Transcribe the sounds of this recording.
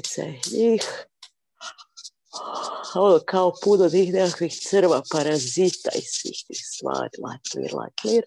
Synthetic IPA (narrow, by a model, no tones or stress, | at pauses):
t̪sɛ̰hniːx | alkʰawpud̪od̪ixnɛaxiːxt̪sɨɾʋapaɾazit̪a̰jsḭxt̪iːxsʋa̰ːɾʲlˠa̰jk̪lˠḭɾlˠa̰jkliɾ